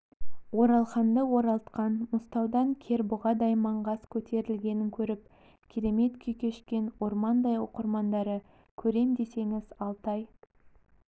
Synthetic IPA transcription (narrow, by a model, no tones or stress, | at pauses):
wo̞ɾɑlˠχɑnd̪əwo̞ɾɑlˠt̪qɑnmʊst̪ɑwd̪ɑŋkʲʰe̞ɾbʊʁɑd̪ɑjmɑɴʁɑskʲʰɵt̪ʰe̞ɾɪlɡʲe̞nɪŋkʲʰɵɾɪp̚ | kʲʰeɾe̞me̞t̪kʲʰejkʲʰe̞ʃkʲe̞nwo̞ɾmɑnd̪ɑjwo̰qəɾmɑnd̪ɑɾə | kʲʰɵɾe̞md̪e̞se̞ŋɪzɑlˠt̪ɑj